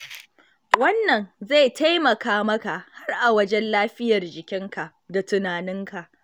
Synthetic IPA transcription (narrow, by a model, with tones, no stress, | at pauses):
wɐ˦nːɐ˨nza˦˨ta˦jmɐ˨kaː˦mɐ˦ka˨ʔha˦rʔa˨wɐ˦d͡ʒɛ˦nlaː˦ɸɪ˦jɐ˨rd͡ʒɪ˨kʲɪ˦ŋka˨ʔda˨tʊ˨naː˨nɪ˦ŋka˨ʔ